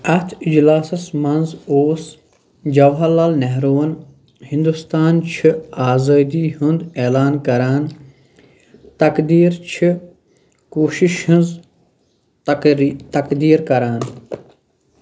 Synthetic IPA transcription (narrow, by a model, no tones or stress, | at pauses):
ɐt̪ʰid͡ʒlaːsɐsmɐnzoːs | d͡ʒɐʋɦɐlalnɛɦɾoːɐn | hĩnd̪ust̪aːnt͡ʃʰiaːzaːd̪iːɦund̪eːlaːnkɐɾaːn | t̪ɐkd̪iːɾt͡ʃʰi | koːʃiʃhinz | t̪ɐkd̪iːɾkɐɾaːn